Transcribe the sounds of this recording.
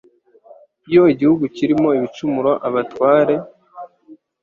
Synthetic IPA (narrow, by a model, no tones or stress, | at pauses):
ijo̞iɟihuɡuciɾimo̞iβit͡ʃumuɾwaʔaβatwaːɾe̞